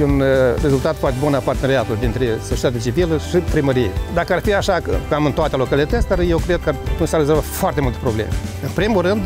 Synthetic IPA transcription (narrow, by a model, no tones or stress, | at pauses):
unre̞zult̪at̪foart̪ebunapart̪eneɾeat̪uld̪int̪ɾe̞sot͡ʃiet̪at̪̬ʲet͡ʃiviləʃipɾiməɾijḛd̪akəarfiaʃakkamɨnt̪oat̪elo̞kalit̪ət̪sʲd̪arjewkɾe̞d̪̚kəat̪unt͡ʃarːezolvafoart̪e̞mult̪epɾo̞blḛmḛɨnpɾimurɨnd̪